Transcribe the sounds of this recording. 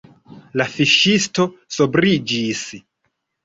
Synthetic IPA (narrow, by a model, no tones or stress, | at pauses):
lafiʃisto̞sobɾid͡ʒis